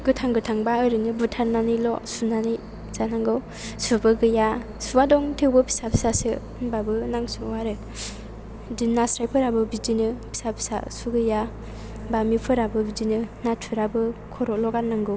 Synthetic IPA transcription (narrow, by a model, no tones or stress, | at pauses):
ɡɯtʰaŋɡɯtʰaŋbaɯɾɯnɯbutʰaɾnanilɔsunani | zanaŋɡɯw | subɯɡɯja | subadɔŋtʰewbɯpʰi̥sapʰisasɯ | babɯnaŋsuwaɾɯ | dinːasɾajpʰɯɾabɯbid͡ʒinɯpʰi̥sapʰi̥sa̰suɡɯja | bamipʰɯɾabɯbid͡ʒinɯnatʰuɾabɯkʰɔɾɔlɔɡanaŋɡɯw